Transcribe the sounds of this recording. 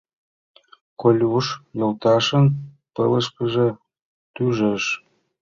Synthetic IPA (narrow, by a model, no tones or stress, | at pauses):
kolʲuʃjolt̪ɑʃən | pələʃkəʒĕ | t̪yʒəʃ